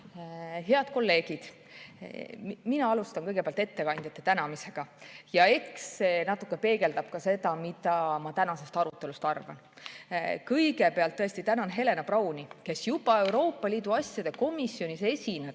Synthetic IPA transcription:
ɦe̞ɑd̪̥ko̞lːe̞ːɡ̥id̪̥ | minɑɑlust̪ɑnkɤjɡ̥epeɑlt̪et̪ːe̞kɑnd̪jɑt̪ːˑe̞t̪ænɑmise̞ɡ̥ɑjɑe̞ksːenɑt̪ːˑukːepe̞ːɡe̞ld̪ɑb̥̚kɑse̞d̪̥ɑmid̪ɑmɑt̪ænɑse̞st̪ɑɾut̪ːˑe̞lust̪ɑrvɑ̰n | kɤ̞jɡe̞peɑlt̪ːɤest̪it̪ænɑnɦe̞lenɑprɑwnʲike̞sjubɑe̞wɾo̞ːpːˑɑlʲiːd̪̥uɑsʲjɑd̪̥e̞ko̞misːio̞nise̞sʲine̥

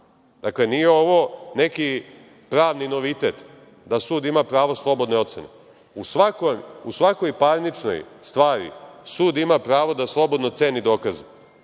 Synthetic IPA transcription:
d̪̥akle̞nijeo̞ʋo̞ne̞ki | pɾaːʋnino̞ʋit̪et̪ | d̪asuːd̪imapɾaːʋoslˠo̞bo̞d̪neo̞t̪se̞̰nḛ | usʋakojusʋako̞jpaɾnit͡ʃno̰jst̪ʋaːɾḭsuːd̪imapɾaːʋo̞d̪aslˠo̞bo̞d̪not̪seːnid̪o̞ːkaze

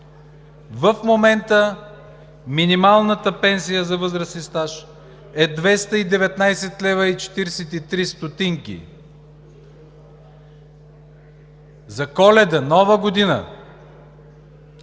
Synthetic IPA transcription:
vəfmomɛnt̪ə | minimalˠnət̪əpɛnsijəzɐvɤzɾəsnist̪aʃ | ɛd̪vɛst̪əid̪ɛvɛt̪najsɛt̪lɛvəit͡ʃɛ̥t̪iɾsɛt̪it̪ɾist̪ot̪iŋkʲḭ | zɐkɔlɛd̪ənɔvəɡod̪inə̰

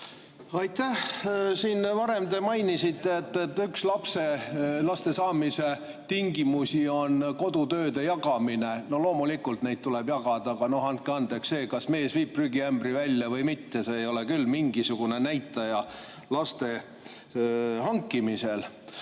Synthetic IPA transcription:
ɑjt̪ːæhsiːnvɑɾe̞mt̪e̞mɑjnisit̪ːˑeet̪ːˑet̪ːykslɑpse̞lɑst̪e̞sɑːmise̞ | t̪iŋɡ̥imusʲio̞nko̞d̪̥ut̪ø̞ːd̪e̞jɑɡɑmineno̞lo̞ːmulikːˑult̪ne̞jd̪t̪̚t̪uleb̥jɑɡɑd̪̥ɑɡ̥ɑno̞hɑnt̪̚keɑnd̪eksse̞ːkɑsme̞ːsviːpryɡiæmb̥rivælʲjɑvɤjmit̪ːe̞seːjo̞lekylːmiŋɡisuɡ̥une̞næjt̪ːˑɑjɑ | lɑst̪e̞ | hɑŋkːˑimise̞l

